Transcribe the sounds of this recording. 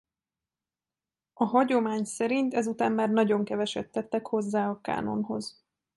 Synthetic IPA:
ɒɦɒɟo̞maːɲsɛɾint̪ɛzut̪aːmmaːrnɒɟo̞ŋkɛvɛʃɛt̪ːɛt̪ːɛkho̞zːaːɒka̰ːno̞̰nɦo̞̰z

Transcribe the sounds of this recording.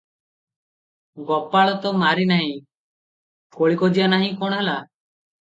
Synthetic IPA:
ɡɔpaɭɔt̪ɔmaɾinaɦĩ | koɭikɔd͡ʒianaɦĩkɔ̃ɔ̃ɦela

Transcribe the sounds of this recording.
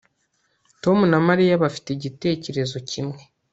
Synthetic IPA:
to̞munamaɾijaβafi̥teɟite̞ːce̞ɾe̞zo̞cimŋe̞

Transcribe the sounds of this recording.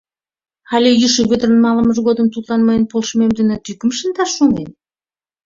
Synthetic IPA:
xɑlʲejyʃeβød̪ərənmɑlə̆məʒɣod̪ə̆mt̪ut̪lɑnməjənpolʃmemd̪ynə̆t̪ykə̆mʃə̆nd̪ɑʃːuŋen

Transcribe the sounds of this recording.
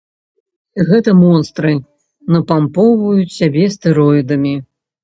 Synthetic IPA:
ɣɛt̪ɐmɔnst̪ɾɨ | nɐpampɔwvɐjut͡sʲsʲabʲɛst̪ɨɾɔid̪ɐmʲi

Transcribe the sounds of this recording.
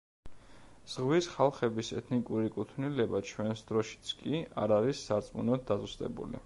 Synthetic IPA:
z̥ʁwisχalˠχɛbisɛ̰t̪ʰnikʼuɾikʼut̪ʰnilɛbat͡ʃʰwɛnsd̪ɾɔʃi̥t̪sʰkʼia̰ɾaɾisːaɾt̪sʼmṵnɔd̪̚d̪azust̪ʼɛ̰bṵlḭ

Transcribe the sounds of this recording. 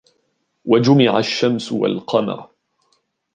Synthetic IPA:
wad͡ʒʊmɪʕaʃːamsʊwa̰lqɑmɑ̰ɾ

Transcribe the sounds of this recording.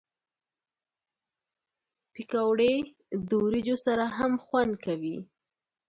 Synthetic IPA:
pikawɽe | d̪owɾid͡ʒosaɾaɦamxwand̪kawi

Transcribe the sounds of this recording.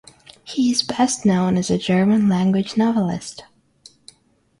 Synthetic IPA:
hiɪzbɛstⁿnõʊ̃nɨzɨd͡ʒɜ˞mə̃nlæ̃ŋɡwɨd͡ʒnɑvl̩ˠɪ̰st

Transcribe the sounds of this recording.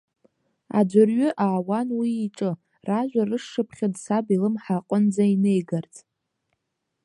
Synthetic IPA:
a̰d͡ʒʷarɥʏʔaːwanwiːʈ͡ʂʼɨ | raʒᶣʷarɨʂʂɨpʰχʲadsabilɨmħaqʼənd͡zainejɡart͡sʼ

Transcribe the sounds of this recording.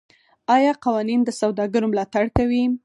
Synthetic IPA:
ɑjɑqɑwɑnind̪əsawd̪ɑɡəɾomlɑt̪aɽkawi

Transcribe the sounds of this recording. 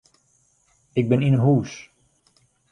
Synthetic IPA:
ɪɡ̚bɪninənɦuːs

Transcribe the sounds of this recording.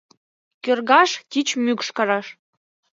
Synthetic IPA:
kørɣɑʃt̪ʲit͡ɕmykʃkɑɾɑʃ

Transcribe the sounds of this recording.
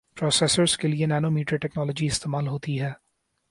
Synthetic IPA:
pɾɔːsɛsəɾz̥kelienɛːnomiːʈɾiʈɛknɔːlɔd͡ʒiɪst̪eːmaːlɦoːt̪iɦɛː

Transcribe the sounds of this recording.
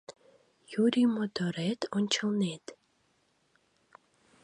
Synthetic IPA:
juːɾʲimɔt̪ɔɾet̪ɔnʲt͡ɕə̆lˠneːt̪

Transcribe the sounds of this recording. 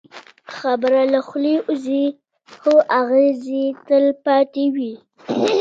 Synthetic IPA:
xabəɾalaxleʔuzi | xoʔaɣezit̪əlpɑt̪ewi

